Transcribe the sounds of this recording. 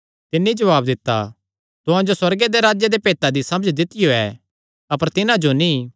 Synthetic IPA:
t̪ɪnːid͡ʒɐʋaːbd̪ɪt̪ːa̰ | t̪ʊɦãd͡ʒoswɐɾɡed̪eɾaːd͡ʒjed̪epeːt̪ad̪isɐməd͡ʒd̪ɪt̪ɪjoɛ̰ː | ɐpəɾt̪ɪnãd͡ʒonĩ

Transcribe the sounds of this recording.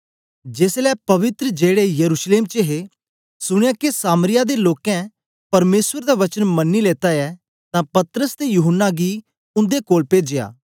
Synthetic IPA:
d͡ʒeːslɛːpɐʋɪt̪ɾəd͡ʒeːɽejɐɾuːʃleːmt͡ʃeɦe | sʊɽ̃jãkesaːmɾɪjad̪eloːkɛ̃ | pɐɾmeːsʋəɾd̪aʋɐt͡ʃənmɐnːileːt̪aɛ | t̪ãpɐt̪ɾəst̪ejuɦənːaɡi | ʊ̃nd̪ekoːlpeːd͡ʒeja̰ː

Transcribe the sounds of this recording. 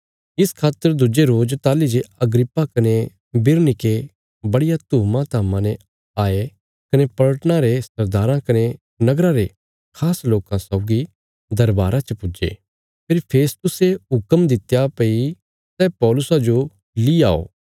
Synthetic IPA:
ɪskʰaːt̪ːəɾd̪ʊd͡ʒeɾoːd͡ʒt̪aːlid͡ʒeɐɡɾɪpːakɐne | bɪɾnɪke | bɐɽɪjat̪uːmãt̪ʰaːmãnɛ | aːe | kɐnepɐɭəʈnãɾesɐɾd̪aːɾãkɐne | nɐɡɾãɾe | kʰaːsloːkãsɐʊɡi | d̪ɐɾbaːɾãt͡ʃəpʊd͡ʒḛ | pʰɪɾpʰeːst̪ʊseɦʊkəmd̪ɪt̪japɐi | sɛːpɔːlʊsad͡ʒo | lia̰ːo̰ː

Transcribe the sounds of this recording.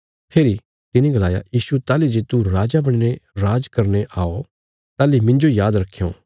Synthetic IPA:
pʰeːɾi | t̪ɪnĩɡɐlaːja̰jiːsut̪aːlid͡ʒeːt̪uɾaːd͡ʒabɐɽ̃neɾaːd͡ʒkɐɾneʔaːo | t̪aːlimɪ̃nd͡ʒojaːd̪ɾɐkʰːijõ̰ː

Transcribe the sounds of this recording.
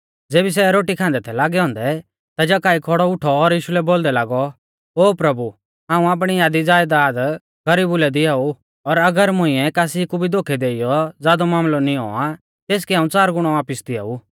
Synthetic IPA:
d͡zeːbis̬ɛɾoːʈikʰãːnd̪ɛt̪ʰɛlaːɡɛɦɔ̃ːnd̪ɛ | t̪ad͡ʒakaːikʰɔɽɔʊʈʰɔːɾjiːʃulɛboːld̪ɛlaːɡɔ | oːpɾɐbu | ɦãːũaːp̬ɽ̃ijaːd̪id͡zaːjd̪aːd̪ | ɡɐɾiːbʊlɛd̪ɪaːu | ɔɾɐɡəɾmʊ̃ɪ̃ɛkaːsikubʱid̪oːkʰɛd̪eːijɔd͡zjaːd̪ɔmaːmlɔnĩɔ̰ːa | t̪eːskiɦãːũt͡saːɾɡʊɽ̃ɔaːpɪsd̪ɪa̰ːu

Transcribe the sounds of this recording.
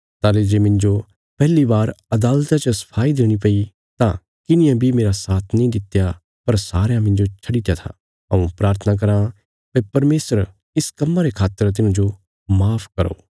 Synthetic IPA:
t̪aːled͡ʒeːmɪ̃nd͡ʒo | pɛɦlibaːɾɐd̪aːlt̪ãt͡ʃəsɐ̥pʰaːid̪eːɽ̃ipɐi | t̪ã | kɪnɪjãbʱimeːɾasaːt̪ʰnɐĩd̪ɪt̪ːja | pɐɾsaːɾjãmɪ̃nd͡ʒot͡ʃʰɐɽit̪jat̪ʰa̰ | ɐũpɾaːɾt̪ʰənak̬ɐɾã | pepɐɾmeːsəɾ | ɪskɐmːaɾekʰaːt̪ːəɾt̪̬ɪnãd͡ʒo | maːpʰkɐɾo̰ː

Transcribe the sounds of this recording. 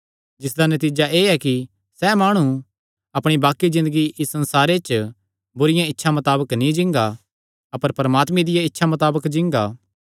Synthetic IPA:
d͡ʒɪs̬d̪anɐt̪iːd͡ʒaʔeːɛki | sɛːmaːɽ̃u | ɐpɽ̃ibaːkːizɪ̃nd̪əɡiʔɪsːɐ̃nsaːɾet͡ʃ | bʊɾɪjãɪtːʃʰamɐt̪aːbəknĩd͡ʒɪ̃ŋɡa | ɐpəɾpɐɾɐmaːt̪mẽd̪ɪjaɪtːʃʰamɐt̪aːbəkd͡ʒɪ̃ŋɡaː

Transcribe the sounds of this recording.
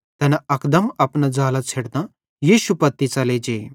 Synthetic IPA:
t̪ɐnɐkd̪ɐmɐpnad͡zaːlɐt͡sʰeɽd̪ã | jiːʃupɐt̪ːit͡sɐled͡ʒeː

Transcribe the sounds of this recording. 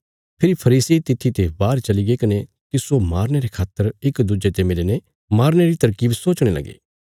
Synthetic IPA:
pʰɪɾipʰɐɾiːsit̪ɪt̪ʰːit̪ebaːɾt͡ʃɐliɡekɐne | t̪ɪsomaːɾñeɾekʰaːt̪ːəɾɪkd̪ud͡ʒet̪emɪlene | maːɾñeɾit̪ɐɾkiːbsoːt͡ʃɽ̃elɐ̰ɡḛː

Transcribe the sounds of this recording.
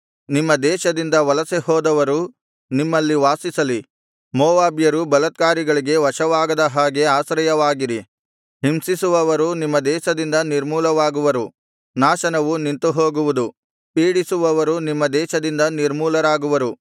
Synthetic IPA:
nimːɐd̪ɛːʃɐd̪ind̪ɐʋɐlɐsehɔːd̪ɐʋɐɾu | nimːɐlːiʋaːsisɐli | mɔːʋaːbjɐɾubɐlɐt̪̚kaːɾiɡɐɭiɡe̞ʋɐʃɐʋaːɡɐd̪ɐɦaːɡe̞aːʃɾɐjɐʋaːɡiɾi | ɦimsisuʋɐʋɐɾunimːɐd̪ɛːʃɐd̪ind̪ɐniɾmuːlɐʋaːɡuʋɐɾu | naːʃɐnɐʋunint̪uɦoːɡuʋud̪u | piːɽisuʋɐʋɐɾunimːɐd̪ɛːʃɐd̪ind̪ɐniɾmuːlɐɾaːɡuʋɐɾu

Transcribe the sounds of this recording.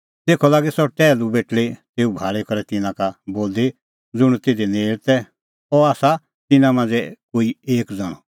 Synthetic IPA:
t̪eːkʰɔlaːɡesɔʈɛːlubeːʈlet̪eːubʱaːɭɛkɔɾɛt̪ɪnãkaboːld̪e | d͡zʊɽ̃t̪eːd̪eneːlt̪ɛ | ɔaːsa | t̪ɪnãmãːnd͡zɛkoːieːkd͡zɔɽ̃ɔ̰

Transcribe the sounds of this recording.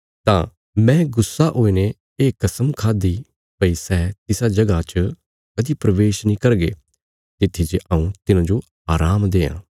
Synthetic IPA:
t̪ã̰ː | mɛ̃ːɡʊsːaʔoːine | eːkːɐsəmkʰaːd̪i | pəisɛːt̪ɪsad͡ʒɐɡat͡ʃə | kɐd̪ipɾɐʋeːʃnĩːkɐɾɡḛː | t̪ɪt̪ʰːit͡ʃeʔɐũt̪ɪnãd͡ʒo | aːɾaːmd̪eːã̰ː

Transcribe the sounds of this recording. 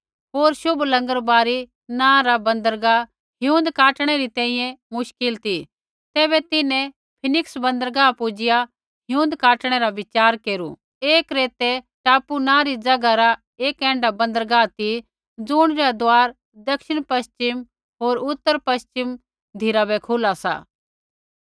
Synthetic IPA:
ɦoːɾʃʊbʱlɐ̃ŋɡəɾbaːɾi | nãːɾabɐ̃nd̪əɾɡa | ɦjũːnd̪kaːʈɽ̃ɛɾit̪ɛ̃ːĩːjɛ̃mʊʃkɪlt̪i | t̪ɛːβɛt̪ɪnɛ̃ | pʰɪnɪksbɐ̃nd̪əɾɡapʊd͡ʒɪja | ɦɪjũːnd̪kaːʈɽ̃ɛɾaʋɪt͡ʃaːɾkeːɾṵ | eːkɾeːt̪ɛ | ʈaːpunãːɾid͡zɐɡaɾa | eːkɛ̃ːɳɖabɐ̃nd̪əɾɡat̪i | d͡zʊɽ̃ɾad̪oaːɾ | d̪ɐkʃɪɽ̃pɐst͡ʃɪm | ɦoːɾʊt̪ːəɾpɐst͡ʃɪm | d̪ʱɪɾabɛkʰʊlasa̰ː

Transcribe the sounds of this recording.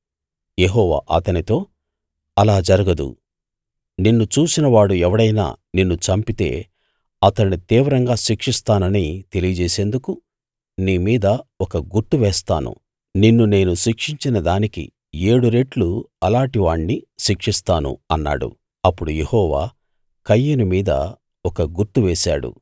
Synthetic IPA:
jeɦɔːʋa̰ːʔɐt̪ɐnit̪o̞ː | ɐlaːd͡ʒɐɾɐɡɐd̪ṵ | ninːut͡ʃuːsinɐʋaːɽuɛʋɐɽɐjna̰ːninːut͡ʃɐmpit̪e̞̰ː | ɐt̪ɐnːit̪iːʋɐɾɐŋɡaːʃikʂist̪aːnɐnit̪e̞lijɐd͡ʒɛːse̞ːnd̪uku | niːmiːd̪ɐɔkɐɡuɾʈːuʋɛːst̪a̰ːnṵ | ninːune̞ːnuʃikʂiɲt͡ʃinɐd̪aːnikḭ | e̞ːɽuɾeʈluɐlaːɳʈiʋaːɳniʃikʂist̪aːnṵɐnːa̰ːɽṵ | ɐpːuɽujehɔːʋa̰ː | kɐjːunimiːd̪ɐ̰ | ɔkɐɡuɾʈːuʋɛːʃa̰ːɽṵ

